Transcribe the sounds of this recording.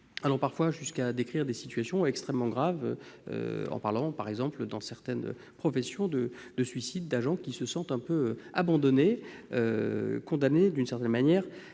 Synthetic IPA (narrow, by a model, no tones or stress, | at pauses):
alɔʁpaʁfwaʒyskad̪ekχiʁd̪esi̥t̪ɥasjɔ̃ɛkst̪χɛmːɑ̃ɡʁavø̰ø̰ɑ̰̃paʁlɑ̃paʁɛɡzɑ̃pld̪ɑ̃sɛʁt̪ɛnø̰ | pχɔfɛsjɔ̃d̪ə | d̪̥əsɥisid̪ːaʒɑ̃kʲisəsɑ̃t̪ɛ̃pøøabɑ̃d̪ɔneøkɔ̃d̪aned̪ynsɛʁt̪ɛnmanjɛʁ